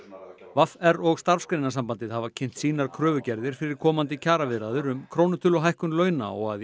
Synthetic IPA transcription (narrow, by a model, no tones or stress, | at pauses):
vafɛɾɔɣst̪aɾ̥fskɾejnasampant̪ɪðhavacʰɪn̥t̪siːnaɾ̥kʰɾœːvʏcɛɾðɪɾ̥fɪɾɪɾ̥kʰɔːmant̪̬ɪcʰaːɾavɪðɾaðʏɾʏmkʰɾownʏt̪ʰɪlɔɦajhkʏnlœːɥna̰ɔ̰ɣað